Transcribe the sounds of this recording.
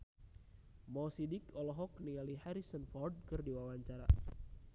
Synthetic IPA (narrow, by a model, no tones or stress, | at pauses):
mɔsidikɔlɔɦɔk̚niŋalihaɾisənfɔrd̚kɨrdiwawaɲt͡ʃaɾa̰